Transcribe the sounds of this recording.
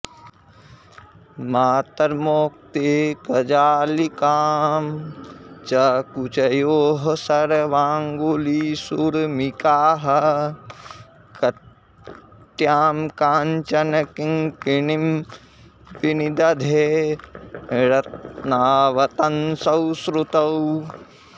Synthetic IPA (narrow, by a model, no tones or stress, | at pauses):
maːt̪ɐɾmoːk̚t̪ekɐd͡ʒaːlikaːm | t͡ʃɐkut͡ʃɐjoːɦɐsɐɾʋaːŋɡolisuɾmikaːɦɐ | kɐ | t̪jaːmkaːnt͡ʃɐnɐkiŋkinim | pinid̪ɐd̪ʱe | ɾɐt̪̚naːʋɐt̪ɐnsɐwsɾut̪ɐw